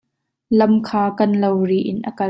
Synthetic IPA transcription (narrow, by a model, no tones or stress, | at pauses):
lɐmkʰaːkɐnlowriːʔɪnʔɐkɐ